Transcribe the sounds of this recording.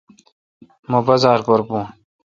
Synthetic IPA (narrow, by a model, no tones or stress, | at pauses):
mobɐzaːɾboɾbũː